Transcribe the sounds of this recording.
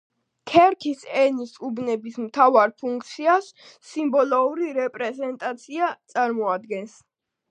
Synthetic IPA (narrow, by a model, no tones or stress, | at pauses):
kʰɛɾkʰisɛnisubnɛbismt̪ʰavaɾpʰuŋk̚ʰt̪sʰiasː | imbɔlɔuɾiɾɛpʼɾɛzɛnt̪ʼat̪sʰiat̪sʼaɾmɔad̪ɡɛns